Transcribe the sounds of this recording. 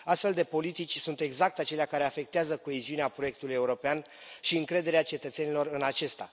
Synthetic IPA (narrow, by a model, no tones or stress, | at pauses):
ast̪fe̞ld̪e̞po̞lit̪it͡ʃʲsunt̪e̞ɡzak̚t̪at͡ʃe̞leakaɾe̞afe̞k̚t̪eazəko̞eziuneapɾo̞je̞k̚t̪ulujeuɾo̞pean | ʃiɨŋkɾe̞d̪e̞ɾeat͡ʃe̞t̪ət̪se̞nilo̞rɨnat͡ʃe̞st̪a̰